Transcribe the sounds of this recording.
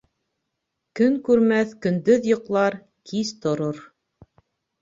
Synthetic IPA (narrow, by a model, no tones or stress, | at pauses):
kɵŋkʉɾmæθkɵ̆nd̪ɵðjŏqlˠɑɾ | kʰizt̪ŏɾoɾ